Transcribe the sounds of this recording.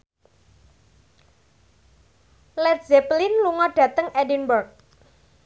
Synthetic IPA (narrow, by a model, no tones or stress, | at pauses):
lɛt̪zɛplinluŋɔɖ̥ä̤t̪əŋɛdinbərk̚